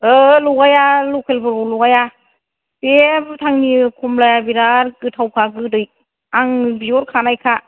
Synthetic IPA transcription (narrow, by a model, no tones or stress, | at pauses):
ɯluɡajalukʰelbɯɾɔluɡaja | pebtʰaŋnikʰumlajabiɾaɾkɯtʰawkʰaɡɯdɯj | aŋbiɔɾkʰanajkʰa